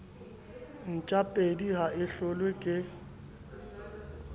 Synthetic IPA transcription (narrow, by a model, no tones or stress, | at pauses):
n̩t͡ʃʼapʼediɦaɪɬʊlwekʼɪ